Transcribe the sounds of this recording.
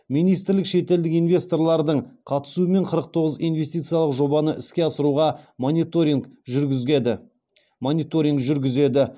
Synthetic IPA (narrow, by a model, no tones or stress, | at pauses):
mijnijst̪ɪɾlɪkʃe̞t̪e̞ld̪ɪkijnvʲe̞st̪o̞rlˠɑɾd̪əɴqʰɑt̪ə̥suəme̞ɴqʰəɾəq̚t̪ʰo̞ʁəzijnvʲe̞st̪ijt̪sɨjɑlˠəqʒo̞bɑnəʔɪskʲe̞ɑsəɾuʁɑt̪ʒʲ | monijt̪o̞ɾʲiŋɡʒʏɾɡʲɪze̞d̪ɪ